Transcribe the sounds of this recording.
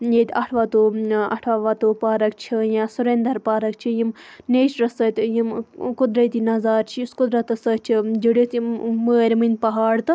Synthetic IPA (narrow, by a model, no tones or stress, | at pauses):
jeːt̪ʲɐʈʰʋaːt̪oːɐ̰ʈʰʋaːʋat̪oːpaːɾɐk̚t͡ʃʰijãːsuɾend̪ɐɾpaːɾɐk̚t͡ʃʰijimneːʃɾɐsɐt̪jimkud̪ɾɐt̪inɐzaːɾt͡ʃʰiskud̪ɾɐt̪ɐsɐːt͡ʃʰid͡ʒiɽot̪iməːɾʲmɨnʲpɐɦaːɽt̪ɨ